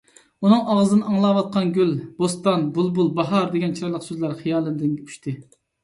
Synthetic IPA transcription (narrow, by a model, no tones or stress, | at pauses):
unɨŋɑʁəzɨnɨɑŋlˠɑwɑt̪̚qʰɑnɡʲylb̥ost̪ɑnbulˠbulˠbɑɦɑɾd̪eɡʲɛnt͡ʃʰiɾɑɾlˠəqsøzlæɾχɨjɑːlˠɨnd̪ɪnʲʰy̥ʃt̪ʰɨ